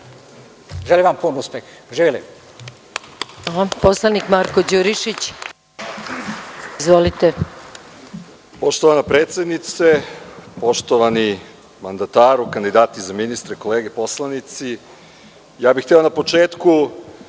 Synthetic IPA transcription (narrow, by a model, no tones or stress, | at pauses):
ʒeliʋampunuspexʒiːʋilḭ | aposlˠanikmaɾkod͡ʑuɾiʃit͡ɕ | izʋolit̪e | poʃt̪oʋanapɾeːt̪sʲed̪nit̪sepo̞ʃt̪oʋani | mand̪at̪aːɾukand̪id̪aːt̪izaminist̪ɾeko̞leːɡepo̞slˠanit̪si | jaːbixt̪eonapo̞t͡ʃeːt̪ku